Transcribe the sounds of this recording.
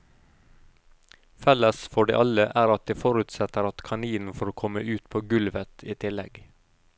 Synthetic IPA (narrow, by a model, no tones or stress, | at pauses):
fɛləsfɔɖḭːʔɑləʔæːɾɑt̪̚d̪iːfɔɾʉt̪sɛt̪əɾɑt̪kʰɑniːn̩fɔɾoːkʰɔməʔʉːt̪pʰoːɡʉlʋət̪ʰiːt̪ʰɪlɛɡ